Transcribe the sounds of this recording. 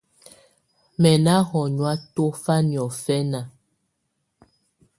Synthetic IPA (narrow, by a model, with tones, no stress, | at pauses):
mɛ˨na˦hɔ˨ɲwa˦to˦fa˦ni˨ɔ˨fɛ˦na˨